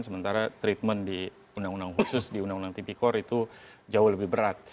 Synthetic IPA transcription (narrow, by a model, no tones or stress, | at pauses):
nsəmənt̪aɾat̪ɾit̪̚məndi | undaŋundaŋɦusʊsdiundaŋundaŋt̪ipikɔɾit̪u | d͡ʒaʊhləbɪhbəɾat̪̚